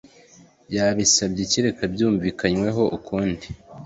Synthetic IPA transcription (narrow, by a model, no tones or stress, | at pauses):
jaβisabɟiciɾekʰabjuːɱviːkaɲwe̞ɦo̞ʔukʰuːndi